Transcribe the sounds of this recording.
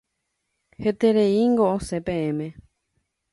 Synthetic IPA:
het̪eɾeiŋɡoosepẽẽmẽ̞

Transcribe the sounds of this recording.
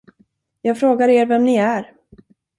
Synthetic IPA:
jɑːɡfɾoːɡaɾeːɾvɛmnɪæɾ

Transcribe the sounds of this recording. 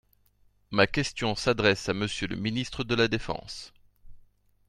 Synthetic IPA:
makʲɛst̪jɔ̃sad̪ʁɛsaməsjølə̰minist̪χəd̪əlad̪efɑ̰̃s

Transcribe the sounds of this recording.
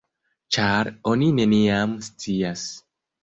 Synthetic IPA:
t͡ʃaɾo̞nine̞niamst͡sias

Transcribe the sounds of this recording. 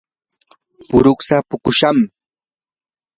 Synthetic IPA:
pʊɾʊksapʊkʊʃam

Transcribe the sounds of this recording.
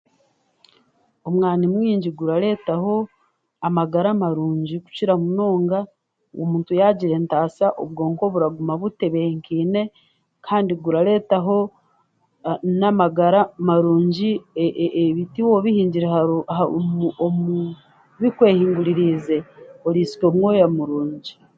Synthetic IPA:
omŋaːnimwiːɲɟiɡuɾaɾe̞ːtaho̞ | amaɡaɾamaɾuːɲɟiku̥ciɾamuno̞ːŋɡa | wo̰muːntujaɟiɾe̞ntaːsaʔo̰βɡo̞ːŋko̞βuɾaɡumaβute̞βeeŋkiːne̞ | kʰaːndiɡuɾaɾe̞ːtaɦo̞ | namaɡaɾamaɾuːɲɟieβitiwoβihiːɲɟiɾeɦaoaomu | βikwe̞ːhiːŋɡuɾiɾize̞oɾiːsi̥ko̞ːmwoːjamuɾuːɲɟi

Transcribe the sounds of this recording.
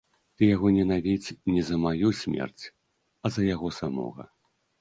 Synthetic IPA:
t̪ɨjaɣɔnʲɛnavʲit͡sʲnʲɛzɐmajusʲmʲɛ̰rt͡sʲ | ɐzɐjaɣɔsamɔ̰ɣɐ̰

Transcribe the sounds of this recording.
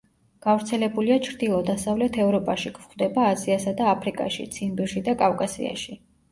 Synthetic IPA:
ɡ̥avɾt̪sʰɛlɛbuliat͡ʃʰɾd̪ilˠɔd̪asavlɛt̪ʰɛvɾɔpʼaʃikʰʼvχd̪ɛbaːziasad̪aːpʰɾikʼa̰ʃḭt̪sʰinbiɾʃid̪akʼavkʼasḭa̰ʃi

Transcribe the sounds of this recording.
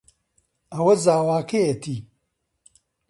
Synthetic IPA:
ɐwɐzaːwaːkejet̪ʰiː

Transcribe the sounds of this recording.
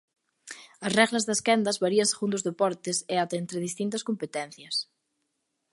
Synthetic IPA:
ɐsrɛɣlɐzðɐskɛnd̪ɐzβaɾiɐnseɣund̪ozðepɔɾt̪ɪseat̪ɐent̪ɾeðist̪int̪ɐskompet̪ɛn̟θjɐs

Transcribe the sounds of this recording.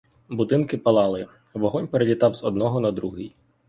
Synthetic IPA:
bʊd̪ɪnkɪpɐlˠɑlˠɪ | ʋɔɦɔnʲpeɾelʲit̪ɑwzɔd̪̚nɔɦɔnɐd̪ɾuɦɪj

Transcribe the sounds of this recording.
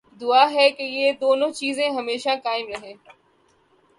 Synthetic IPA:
d̪ʊaːɦɛkejeːd̪oːnõːt͡ʃiːzẽɦɐmeːʃakaːɪmɾɐɦẽː

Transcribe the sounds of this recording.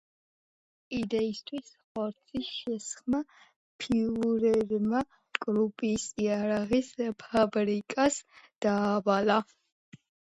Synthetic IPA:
id̪ɛist̪ʰwisχɔɾt̪sʰisʃɛsχma | pʰiuɾɛɾma | kʼɾupʼisiaɾaʁispʰabɾikʼasd̪̥aːvala

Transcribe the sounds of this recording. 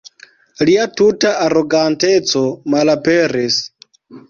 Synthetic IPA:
liatutaʔaɾo̞ɡante̞t͡so̞malapeɾis

